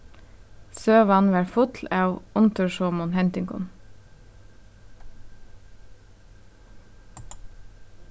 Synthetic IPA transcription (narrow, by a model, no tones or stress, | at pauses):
søːʋɑnʋæɹfʊt̪ʰlæːʋʊnt̪ʰʉʃoːmʊnhɛnt̪ʏŋkʊ̰n